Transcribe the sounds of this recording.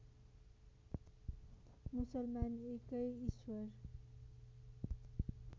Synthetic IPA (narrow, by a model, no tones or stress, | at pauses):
musʌlmanekʌjiswʌɾ